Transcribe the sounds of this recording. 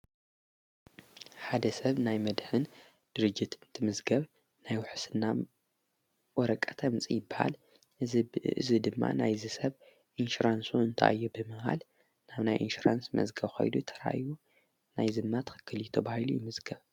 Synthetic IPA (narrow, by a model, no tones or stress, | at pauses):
ħad̪ɐsɐβnajmɐd̪hɨn | d̪̥ɨɾɨd͡ʒːɪt̪ɨnt̪ʰɨmɨzɡɐβ | najwʊħsɨnːa | wɔɾɐkʼːɐt̪ʰɐmɨt͡sʼijɪbːaha̰l | ʔɨ̰zid̪ɨmːa̰najzɨsɐβ | ʔinʃuɾansuɨnt̪ʰaʔajːubɨmɨha̰l | naβnajʔḭnʃuɾa̰nsmɐ̰zɡɐβxo̰jlut̪ʰɐ̥ɾa̰ju | najzɨmnat̪xɨ̥kʰːɨljt̪ʰɐβahilṵjɪmɨzɡɐβ